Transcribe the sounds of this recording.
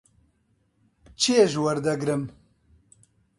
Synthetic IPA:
t͡ʃʰijeʒwɐɾd̪ɐɡɾɨm

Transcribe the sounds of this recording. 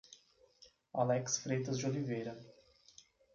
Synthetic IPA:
alɛksfɾejt̪ɐzd͡ʒɪolivejɾɐ

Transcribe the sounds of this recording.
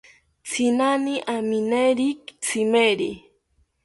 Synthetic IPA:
t͡sʰinaniʔamineɾikt͡sʰimeɾi

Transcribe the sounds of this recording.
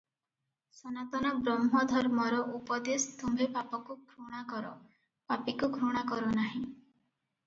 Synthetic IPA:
sɔnat̪ɔnɔbɾɔmɦɔd̪ʱɔɾmɔɾɔʔupɔd̪est̪umbepapɔkukʰɾuɽ̃akɔɾɔ̰ | papikuɡʱɾuɽ̃akɔɾunaɦĩ

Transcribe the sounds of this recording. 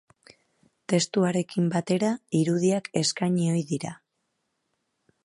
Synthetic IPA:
t̪e̞st̪uaɾe̞kimbat̪e̞ɾaiɾuðiake̞skajɲio̞jðiɾa

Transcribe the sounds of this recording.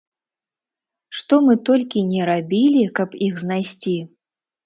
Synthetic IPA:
ʂt̪ɔmɨt̪ɔlʲkʲinʲɛɾabʲilʲikɐpixznajsʲt͡sʲi

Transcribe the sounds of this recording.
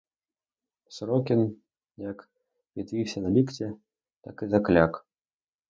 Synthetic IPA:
sɾɔkʲin | jak | vʲit̪vʲiwsʲɐnɐlʲikt͡sʲɛ | t̪akizaklʲak

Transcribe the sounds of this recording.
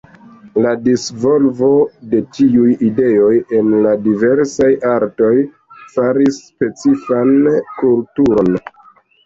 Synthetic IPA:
ladisvo̞lvo̞de̞tiujide̞o̞je̞nladive̞ɾsajaɾto̞j | faɾisːpe̞t͡sifankultuɾo̞n

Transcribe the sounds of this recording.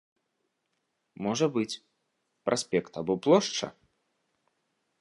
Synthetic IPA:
mɔʐɐbɨt͡sʲ | pɾʔasʲpʲɛkt̪ɐbɔplˠɔʂt͡ʂɐ̰

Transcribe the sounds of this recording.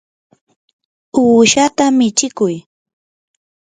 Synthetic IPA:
uːʃat̪amɪt͡ʃɪkʊj

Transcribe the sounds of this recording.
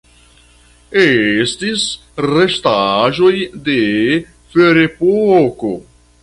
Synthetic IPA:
estis | ɾeʃtaʒo̞jde | feɾepoko

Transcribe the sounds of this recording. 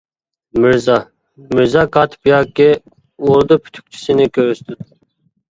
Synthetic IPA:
mɪɾzɑ | mɪɾzɑkʰɑt̪ʰpʰijɑkʲːɪ | uɾd̪upʰy̥t̪ʰy̥k̚ʲt͡ʃʰi̥sɪnɪkʲʰøwst̪yd̪

